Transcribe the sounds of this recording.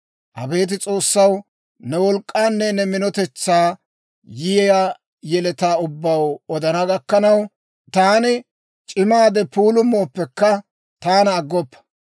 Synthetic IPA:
hɐ̰be̞ːt̪̬ɪt͡sʼo̞ːsːɐw | nɛwɔlkʼːaːnːɛnɛmɪnɔt̪ɛt͡sːaː | jɪjɛja | jɛlɛt̪aːʊbːɐwɔd̪ɐnɐɡɐkːɐnɐw | t̪aːnɪ | t͡ʃʼɪmaːd̪ɛpuːlʊmːo̞ːpːɛkːɐ | t̪aːnɐːɡːɔpːɐ̥

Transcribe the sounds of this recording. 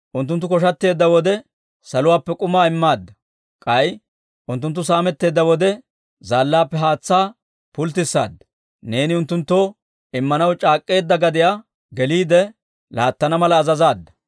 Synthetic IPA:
ʔʊnt̪ːʊnt̪ːʊkɔʃ̬ɐt̪ːe̞ːd̪ːɐwɔd̪ɛ | sɐlʊwaːpːɛkʼʊmaːɪmːaːd̪ːɐ | kʼɐj | ʔʊnt̪̬ːʊnt̪ːʊsaːmɛt̪ːe̞ːd̪ːɐwɔd̪ɛ | zaːlːaːpːɛɦaːt͡sːaː | pʊlt̪ɪsːa̰ːd̪ːɐ̥ | ne̞ːnɪʊnt̪ːʊnt̪ːo | ɪmːɐnɐwt͡ʃʼaːkʼːe̞ːd̪ːɐɡɐd̪ɪja | ɡɛliːd̪ɛ | laːt̪ːɐnɐmɐlɐːzɐzaːd̪ːɐ̥

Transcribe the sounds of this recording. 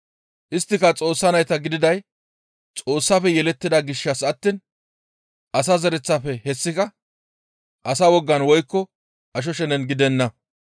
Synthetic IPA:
ʔɪst̪ːɪkɐt͡sʼo̞ːsːɐnɐjt̪ɐɡɪd̪ɪd̪ɐj | t͡sʼo̞ːsːɐfɛjɛlɛt̪ːɪd̪ɐɡɪʃːɐsɐt̪ːin | ʔɐsɐzɛɾɛt͡sːɐfɛhɛsːɪkɐ | ʔɐsɐwɔɡːɐnwɔjkːɔ | ʔɐʃ̬ɔʃɛnɛnɡɪd̪ɛnːɐ

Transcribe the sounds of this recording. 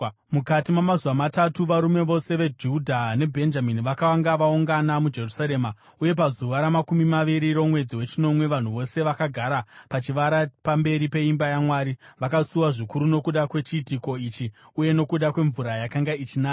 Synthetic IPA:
mukatimwamazuwamatatuʋaɾume̞ʋo̞se̞ʋe̞d͡ʒudʱane̞bʱe̞nd͡ʒaminiʋakawaŋɡaʋauŋɡanamud͡ʒe̞rusaɾe̞ːma | uje̞p̬azuʋaɾamakumimaʋiɾiɾo̞mwe̞d͡ziwe̞t͡ʃino̞mwe̞ʋan̤uʋo̞se̞ʋakaɡʱaɾapat͡ʃiʋaɾapambe̞ɾipe̞imbajamwaːɾiʋakasuwaʐikuɾuno̞kuɗakwe̞t͡ʃiːtiko̞it͡ʃi | uje̞no̞kuɗakwe̞ɱvuɾajakaŋɡait͡ʃinak

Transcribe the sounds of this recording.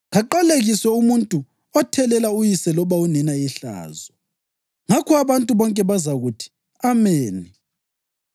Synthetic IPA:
ɣaǃaleɣiswɛumuntʼu | ɔtʰɛlɛlaujisɛlɔβaunɛnaiɬa̰ːzɔ | ŋakʰɔaβantʼuβɔŋkʼɛβazaɣutʰi̥ | ameːni

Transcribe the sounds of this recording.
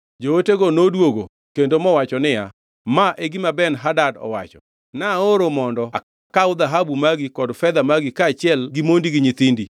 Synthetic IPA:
d͡ʒooteɡɔnodwoɡo | kendomɔwat͡ʃɔnɪja | maʔeɡimabɛnɦadadɔ̰wat͡ʃɔ̰ | naoɾomɔndɔa | kaʊd̪aɦabumaɡikɔdfɛd̪amaɡɪkaːt͡ʃɪɛlɡimondiɡɪɲɪt̪indi

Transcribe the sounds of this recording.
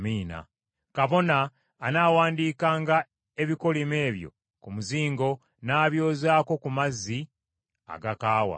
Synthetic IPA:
miːna̰ | kaβo̞naː | naːwaːndiːkaːŋɡa | e̞βiko̞lime̞ːβjo̞̰ | kumuziːŋɡo̞ | naːβjo̞ːzaːko̞kumazːi | a̰ɡakaːwa̰

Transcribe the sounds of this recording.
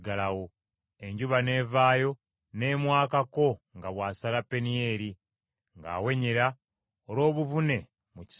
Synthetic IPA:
ɡalawo | e̞ɲɟuβane̞ːvaːjo̞ | ne̞ːmwaːkako̞ŋɡaβwaːsalapːe̞nije̞ːɾi | ŋɡa̰ːwe̞ɲiɾa | olo̞ːβuvune̞ | muci̥

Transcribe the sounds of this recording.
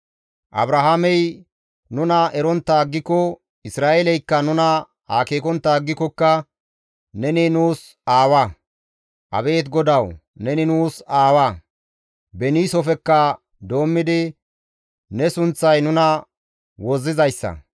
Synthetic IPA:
ʔɐ̰bɾɐɦamɛj | nʊnɐɛɾɔnt̪ːaːɡːɪkɔ | ɪsɾaːʔelɛjkːɐnʊnɐ | ha̰ːkeːkɔnt̪ːaɡːɪkːɔkːɐ | nɛnɪnuːs | aːwɐ | ʔɐ̰be̞ːt̪ɡɔd̪ɐw | nɛnɪnuːsaːwɐ | bɛniːsɔfɛkːɐ | d̪o̞ːmːɪd̪ɪ | nɛsʊnt͡sːɐjnʊnɐ | wɔzːɪzɐjsːɐ̰

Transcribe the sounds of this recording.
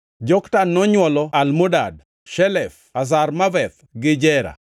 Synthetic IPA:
d͡ʒɔktanːɔɲwɔlɔalmodad̚ | ʃɛlɛf | as̬armavɛt̪ | ɡɪd͡ʒɛɾa̰

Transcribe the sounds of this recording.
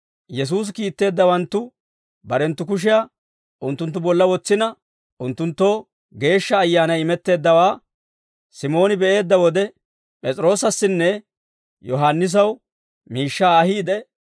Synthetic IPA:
jɛs̬uːs̬kiːt̪ːe̞ːd̪ːɐwɐnt̪ːʊ | bɐɾɛnt̪ːʊk̬ʊʃ̬ɪja | ʔʊnt̪ːʊnt̪ːʊbɔlːɐwɔt͡sːɪnɐ | ʔʊnt̪ːʊnt̪ːo̞ː | ɡe̞ːʃːɐːjːaːnɐjɪmɛt̪ːe̞ːd̪ːɐwaː | sɪmo̞ːnɪbɛʔe̞ːd̪ːɐwɔd̪ɛ | pʼɛt͡sʼɾo̞ːsɐsːɪnːɛ | jɔɦanːɪs̬ɐw | miːʃːaːhiːd̪ɛ

